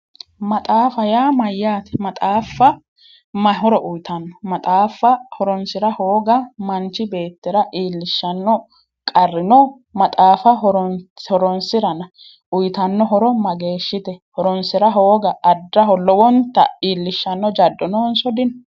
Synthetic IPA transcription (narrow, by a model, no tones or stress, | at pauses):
mɐt̪ʼaːfɐjaːmɐjːaːt̪ɛ̥mɐt̪ʼaːfːɐ | mɐɦɔɾɔʔʊjt̪ɐnːɔmɐt̪ʼaːfːɐhɔɾɔnsɪɾɐhoːɡɐmɐnt͡ʃːɪbe̞ːt̪ːɪɾɐʔiːlːɪʃːɐnːɔ | kʼɐrːɪnɔ | mɐt̪ʼaːfɐɦɔɾɔhɔɾɔnsɪɾɐnɐ | ʊjt̪ɐnːɔɦɔɾɔmɐɡe̞ːʃːɪt̪ɛhɔɾɔnsɪɾɐɦoːɡɐɐdːɐɦɔlɔwɔnt̪ːɐ̰iːlːɪʃːɐnːɔd͡ʒɐdːɔnoːnsɔd̪ɪn